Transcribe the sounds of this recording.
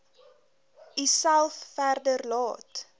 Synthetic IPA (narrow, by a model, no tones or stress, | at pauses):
isælˠfːærdərlɑːt